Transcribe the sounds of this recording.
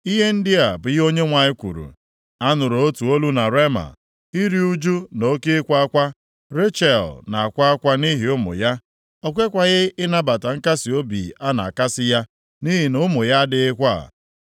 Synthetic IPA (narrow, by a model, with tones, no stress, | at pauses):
i˦ɦe˦n̩˦dɪ˦a˨bʊ˨ɣo˦ɲe˦ŋʷa˨ɲɪ˦kʷṵ˨ɾṵ˨ | a˦nʊ˨ɾo˨o˦tu˨o˦lu˦na˨ɾe˦ma̰˨ | i˦ɾi˦u˦d͡ʒu˦no˦ke˦ɪ˦kʷa˦a˦kʷa˦ | ɾe˦t͡ʃɛ˨lna˨a˨kʷa˦a˦kʷa˦ni˦ɦi˨ʊ˦mʊ̰˨ja˦ | ɔ˦˨kʷe˦kʷa˨ɣɪ˦ɪ˦na˦ba˨ta˨ŋ̩˦ka˦si˨o˦bḭ˨a˦na̰˨ka˦sɪ˦ja˦ | ni˦ɦi˨nʊ˦mʊ˨ja˦dɪ˨ɪ˦kʷa̰˦˨